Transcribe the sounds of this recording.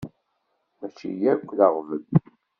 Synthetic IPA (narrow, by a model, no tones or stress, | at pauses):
mæt͡ʃːḭjækʷːləʁvə̰n